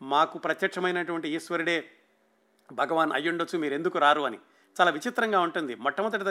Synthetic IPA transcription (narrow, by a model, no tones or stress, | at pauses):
maːkupɾɐt̪jɐkʂɐmɐjnɐʈuʋɐɳʈiːsʋɐɾiɽe̞ː | bʱɐɡɐʋaːnɐ̰jːuɳɖot͡ʃːumiːɾe̞nd̪ukuɾaːɾuɐnḭ | t͡ʃaːlaːʋit͡ʃit̪ɾɐŋɡaːuɳʈund̪imɔʈːɐmɐt̪̬ːɐʈid̪ɐ